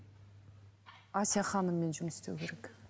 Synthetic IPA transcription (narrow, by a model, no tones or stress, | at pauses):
ɑsijɑχɑnəmːe̞nʒʊmst̪ḛwkʰʲe̞ɾek